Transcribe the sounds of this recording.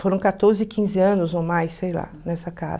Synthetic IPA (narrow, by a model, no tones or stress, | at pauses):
foɾɐ̃w̃kat̪oɾzɪkʰĩzɪɐ̃nʊzowmajsːejla̰nɛsɐka̰z